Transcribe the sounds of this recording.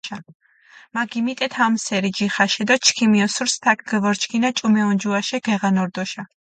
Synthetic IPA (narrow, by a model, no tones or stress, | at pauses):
a | maɡimit̪ʼɛt̪ʰamsɛɾid͡ʒiχaʃɛd̪at͡ʃʰkʰimiɔsuɾst̪ʰak̚ʰɡɛvɔɾt͡ʃʰkʰinat͡ʃʼumɛɔnd͡ʒuaʃɛɡ̥ɛʁanɔɾd̪ɔʃa